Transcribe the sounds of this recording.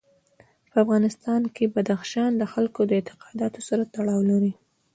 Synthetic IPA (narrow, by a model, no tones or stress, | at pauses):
pəafɣɑnɪst̪ɑnkebad̪axʃɑnd̪əxalkod̪əɪt̪ɪ̥qɑd̪ɑt̪osaɾat̪aɽɑwlaɾi